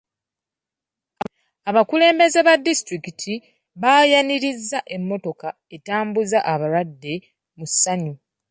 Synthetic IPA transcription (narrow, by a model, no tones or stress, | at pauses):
aβakule̞ːmbe̞ze̞βadːistɾikitʰi | βaːjaniɾizːaʔe̞mːo̞to̞ka | e̞taːmbuzaʔaβaɾwadːe̞ | musːaɲu